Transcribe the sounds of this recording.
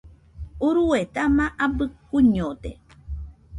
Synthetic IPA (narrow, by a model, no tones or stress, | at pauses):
uɾuet̪amãʔabɨkuɲot̪e